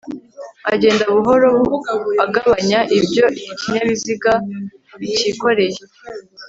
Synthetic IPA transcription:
aɟe̞ːndaβuɦo̞ɾo̞βuaɡaβaɲaʔibjo̞ʔiiciɲaβiziɡa | βiciko̞ɾe̞je

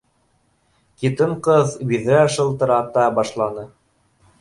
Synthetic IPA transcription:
kit̪ɤɴqɤðbiðɾæʃɤ̆lˠt̪ɤ̆ɾɑt̪ɑbɑʃlˠɑnɤ

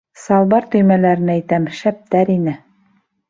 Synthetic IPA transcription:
sɑlˠbɑɾt̪ɵ̆jmælæɾɘ̆næjt̪æmʃæp̚t̪æɾinɘ

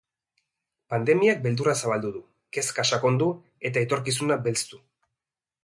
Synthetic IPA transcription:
pand̪e̞miak̚be̞ld̪urasaβ̞ald̪uðu | ke̞skaʃako̞nd̪u | e̞t̪aet̪o̞ɾkis̬unabe̞lt͡st̪u

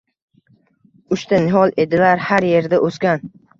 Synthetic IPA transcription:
ʊʃt̪ʰanɪɦɒlˠe̞d̪ɪlaɾhaɾje̞ɾd̪aʔoskʲan

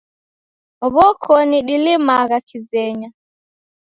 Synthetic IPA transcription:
ɔβɔkʰɔniɗilimaɣakizɛɲa

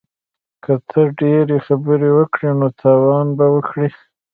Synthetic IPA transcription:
kət̪ʰəɖeɾexabəɾewəkɽinot̪ʰɑwɑnbawəkɽi

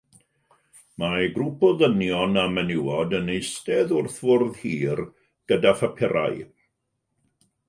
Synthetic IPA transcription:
maɡrupʰɔðənjɔnamənɪwɔdənejstɛðʊrθvʊrðhiːr | ɡ̥ədafapʰɪɾa̰j

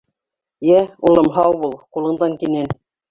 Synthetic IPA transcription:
jæulˠɤ̆mɦɑwbulˠqulˠɤ̆ɴd̪ɑŋkinɘn

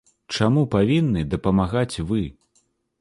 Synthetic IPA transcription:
t͡ʂamupavʲinːɨd̪ɐpɐmaɣat͡sʲvɨ

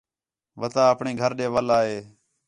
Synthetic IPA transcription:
ʋət̪aːəpɳeːɡʱəɾɗeːʋəlaːɦeː

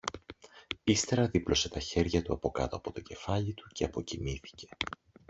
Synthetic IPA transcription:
ist̪e̞ɾɐðiplo̞se̞t̪ɐçe̞ɾʝɐt̪uɐpo̞kɐt̪o̞ɐpo̞t̪o̞ce̞fɐʎit̪u̥ce̞ɐpo̞cimiθi̥ce̞̥

